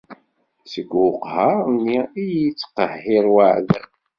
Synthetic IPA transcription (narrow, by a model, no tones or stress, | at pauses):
səɡʷʊqhaniijt͡sːqəhːɪɾwaʕðə